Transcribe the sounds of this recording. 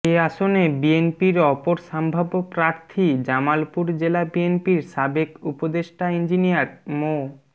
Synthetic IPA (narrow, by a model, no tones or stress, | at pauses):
eaʃonebienpiɾɔpoɾʃambʱabopɾaɾt̪ʰid͡ʑamalpuɾd͡ʑelabienpiɾʃabekupod̪eʃʈaind͡ʑinijaɾmo